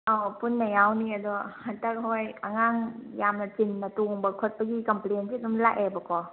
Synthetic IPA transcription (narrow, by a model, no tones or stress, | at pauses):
ʔapunːajawniadɔhantak̚hɔjkaŋaŋjamnat͡ʃinːatuŋbɯkʰɔt̚paɡikamplensidɔmlaʔɛbɔkɔ